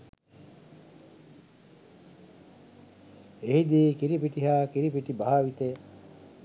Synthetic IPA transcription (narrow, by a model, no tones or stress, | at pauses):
eɦid̪iːkiɾipiʈiɦaːkiɾipiʈibaɦaːʋit̪eː